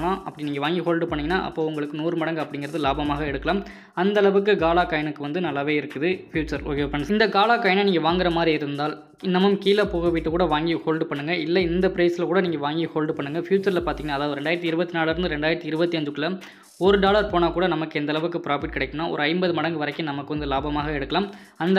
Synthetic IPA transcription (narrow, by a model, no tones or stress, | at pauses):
lãːʔɐpːɐɽɪniːŋɡɐʋaːŋɡiɦoːlɖɯpɐɳːɯŋɡɐnːa̰ːʔɐ̰pːoːʊŋɡɐɭɯkːɯnuːɾɯmɐɽɐŋɡɯɐpːɐɽɪŋɡɪɾɐðɯlaːbɐmaːɣɐɛɽɯkːɐlaːm | ɐnd̪ɐlɐʋɯk̬ːɯɡaːlaːkaːjɐnɯkːɯʋɐnd̪ɯnɐlːaːʋeːɪɾɯkːɯðɯfjuːt͡ʃːɐɾo̰ːɣepɐnɪnd̪ɐɡaːlaːkaːjɐnɐniːŋɡɐʋaːŋɡɪɾɐmaːd̪ɾiɪɾɯnd̪aːl | ɪnːɐmɐmkiːlɐpoːɣɐʋɪʈːɯkuːɽɐʋaːŋɡihoːlɖpɐɳːɯŋɡɐɪlːɐɪnd̪ɐpɪɾɐɪsɪlkuːɽɐniːŋɡɐʋaːŋɡihoːlɖpɐɳːɯŋɡɐfjuːt͡ʃːɐɾlɐpaːɾt̪iŋɐnaːðaːʋðɯɾɛɳɖaːjɪɾt̪ːiɪɾɯbɐt̪ːinaːlɾɯnd̪ɯɾɛɳɖaːɪɾɐt̪ːiɪɾɯbɐt̪ːiɐɲd͡ʒɯkːɪlɐ | ɔɾɯɖaːlɐɾpoːnaːkuːɽɐnɐmɐkːɯɛnd̪ɐlɐʋɯkːɯpɪɾaːfɪʈ̚kɪɽɐɪkːɐnːaːʔɔ̰ɾɯɐɪmbɐðɯmɐɽɐŋɡɯʋɐɾɐɪkːɯnɐmɐkːɯʋɐnd̪ɯlaːbɐmaːɣɐɛɽɯkːɐlaːm | ɐnd̪